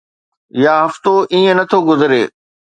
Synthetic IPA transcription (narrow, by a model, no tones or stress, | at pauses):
jaːɦɐft̪oʔĩːə̃nɐt̪ʰoɡʊzɪɾeː